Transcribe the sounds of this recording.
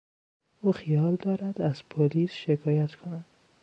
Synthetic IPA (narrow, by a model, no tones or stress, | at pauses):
ʔuːxijɒːld̪ɒːɾæd̪̥æz̥pʰoliːsʃekʰɒːjæt̪ʰkʰonæd̪̥